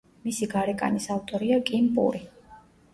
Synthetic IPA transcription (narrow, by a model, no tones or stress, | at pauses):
misiɡaɾɛkʼa̰nisavt̪ʼɔɾiakʼimpʼṵɾi